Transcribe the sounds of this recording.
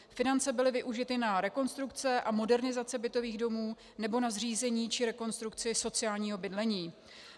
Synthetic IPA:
fɪnant͡sɛbɪlɪvɪʔuʒɪt̪ɪnaɾɛko̞nst̪ɾukt͡sɛʔamo̞dɛɾnɪzat͡sɛbɪt̪o̞viːɣdo̞muː | nɛbo̞nazr̝iːzɛɲiːt͡ʃɪɾɛko̞nst̪ɾukt͡sɪso̞t͡sɪjaːlɲiːɦo̞bɪdlɛɲiː

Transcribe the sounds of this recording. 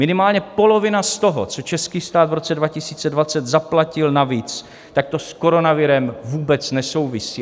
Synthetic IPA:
mɪnɪmaːlɲɛpo̞lo̞vɪnast̪o̞ɦo̰t͡so̞t͡ʃɛskiːst̪aːd̪vɾo̞t͡sɛdvacɪsiːt͡sɛdvat͡sɛt̪zaplacɪlnaviːt͡s | t̪ak̚t̪osko̞ɾo̞navɪɾɛmvuːbɛt͡snɛso̞wvɪsiː

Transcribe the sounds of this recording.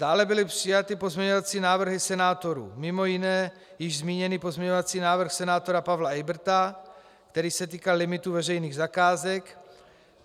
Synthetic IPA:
d̥aːlɛbɪlɪpr̥ɪjat̪ɪpo̞zmɲɛɲo̞vat͡siːnaːvr̩ɦɪsɛnaːt̪oɾṵːmɪmo̞jɪnɛː | jɪʒzmiːɲɛniːpo̞zmɲɛɲovat͡siːnaːvr̩xsɛnaːt̪o̞ɾapavlaɛjbr̩t̪a | kt̪ɛɾiːsɛt̪̬iːkalɪmɪt̪uvɛrɛjniːɣzakaːzɛk

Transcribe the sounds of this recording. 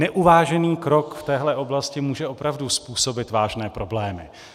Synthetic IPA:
nɛʔuvaːʒɛniːkɾo̞kft̪ɛːɦlɛʔo̞blascɪmuːʒɛʔo̞pɾavduspuːso̞bɪt̪vaːʒnɛːpɾo̞blɛːmɪ̰

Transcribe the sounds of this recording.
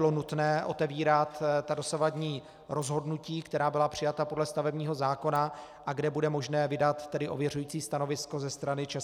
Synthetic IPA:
ɪlo̞nut̪nɛːʔo̞t̪ɛviːɾat̪t̪ado̞savadɲiː | ɾo̞zɦo̞dnuciːkt̪ɛɾaːbɪlapr̥ɪjat̪apo̞dlɛst̪avɛbɲiːɦo̞zaːko̞na | ʔaɡdɛbudɛmoʒnɛːvɪdat̪ːɛdɪʔo̞̰vjɛr̝ujiːt͡siːst̪ano̞vɪsko̞zɛst̪ɾanɪt͡ʃɛs

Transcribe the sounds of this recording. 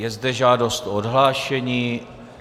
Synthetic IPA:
jɛzdɛʒaːdo̞st̪odɦlaːʃɛɲiː

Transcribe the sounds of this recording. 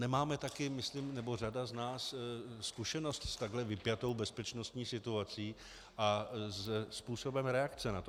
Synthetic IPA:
nɛmaːmɛt̪akɪmɪslimnɛbo̞r̝adaznaːsskuʃɛno̞st̪st̪aɡɦlɛvɪpjat̪o̞wbɛspɛt͡ʃno̞st̪ɲiːsɪt̪uat͡siː | ʔazɛspuːso̞bɛmɾɛakt͡sɛnat̪o

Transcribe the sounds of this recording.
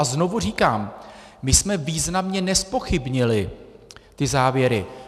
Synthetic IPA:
azno̞vur̝iːkaːm | mɪsmɛviːznamɲɛnɛspo̞xɪbɲɪlɪ | t̪ɪzaːvjɛɾɪ

